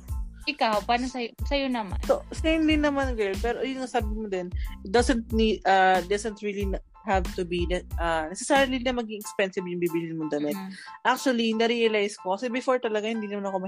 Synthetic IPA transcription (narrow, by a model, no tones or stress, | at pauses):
ʔɪkawpaːnosɐjosɐjonɐma̰nsosɐjʊnd̪ɪnːɐmanɡɛlpɛːɾojʊŋsaːbɪmod̪ɛnʔɪt̪̚d̪ɐsɛnt̪̚nid̪ʔad̪ɐsɛnt̪ɹilin | havt̪ʊbinɛʔɐnɛsɛsaɾlinɐmɐɡɪŋɛkspɛnsɪbjʊŋbibilɪnmʊnd̪ɐmɪt̪̚ʔak̚t͡ʃuɐlinɐɾiɐlajskokɐsɛbɪfoɹt̪ɐlɐɡahɪnd̪iːnɐmanɐko̞mɐ